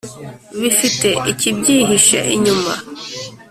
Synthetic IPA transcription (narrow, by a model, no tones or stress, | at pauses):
βifite̞ʔicibɟiːɦiʃa̰ʔiɲuma